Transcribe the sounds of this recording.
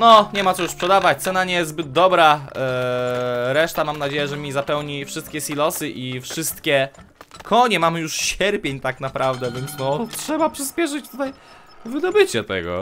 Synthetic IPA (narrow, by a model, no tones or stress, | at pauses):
nɔɲɛmat̪ɔjuspʂɛd̪avat͡ɕt̪sɛnaɲɛjɛst̪zbɘd̪̚d̪ɔbɾa | ɾɛʂt̪amamnad͡ʑejɛʐɛmʲizapɛwɲifʂɨst̪̚kʲɛsʲilɔsɘʔifʂɘst̪kʲɛkʰɔɲɛmamɘjuʂɕɛɾpʲjeɲt̪aknapɾavd̪ɛvʲjɛnt̪snɔtʂɛbapʂɘspʲjɛʂ̬ɨt͡ɕt̪ut̪aj | vɘd̪ɔbɘt͡ɕɛt̪ɛ̰ɡɔ̰